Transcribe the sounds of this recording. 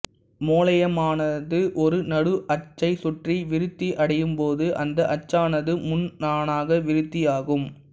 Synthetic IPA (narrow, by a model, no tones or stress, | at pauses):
moːlɐjɐmaːnɐðɯʔɔɾɯnɐɽɯʔɐt͡ʃːɐɪsʊʈriʋɪɾɯt̪ːiʔɐɽɐjɯmpoːðɯʔɐnd̪ɐʔɐt͡ʃːaːnɐðɯmʊnnaːnaːɣɐʋɪɾɯt̪ːijaːɣɯm